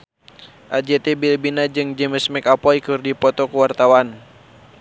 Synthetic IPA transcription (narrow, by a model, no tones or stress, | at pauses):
ʔad͡ʒɛt̪ɛbilbinad͡ʒɨŋd͡ʒəməsmɛkapɔikɨrdipɔt̪ɔkuwart̪awan